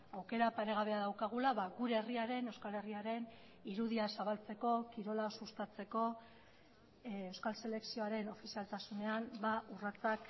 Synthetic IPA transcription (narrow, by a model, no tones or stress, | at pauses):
awke̞ɾapaɾe̞ɣ̞aβ̞e̞aðawkaɣ̞ulaβaɣuɾeeriaɾe̞ne̞wskale̞riaɾe̞n | iɾuðiasaβalt͡se̞ko̞kiɾo̞lasust̪at͡se̞ko̞ | ewskalse̞le̞ksio̞aɾe̞no̞fisialt̪asune̞ambaurat͡sak